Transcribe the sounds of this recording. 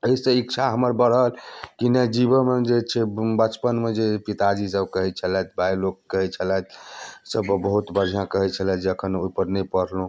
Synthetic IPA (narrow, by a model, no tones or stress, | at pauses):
əisə̃ikt͡ʃʰaɦəməɾbəɽɦəlkinəd͡ʒibəmed͡ʒet͡ʃʰɛbət͡ʃpənmed͡ʒepit̪ad͡ʒisəbkəɦɛt͡ʃʰəlɛt̪̚ʰbʱajlokːəɦɛt͡ʃʰəlat̪ʰsəbbəɦut̪bəɾʱijãkəɦɛt͡ʃʰəlɛd͡ʒeəkʰənoipəɾnɛpəɽlũ